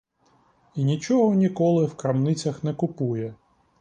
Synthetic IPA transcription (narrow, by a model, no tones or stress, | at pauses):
inʲit͡ʃɔɦɔnʲikɔlˠɪwkɾɐmnɪt͡sʲɐxn̪ɛkʊpujɛ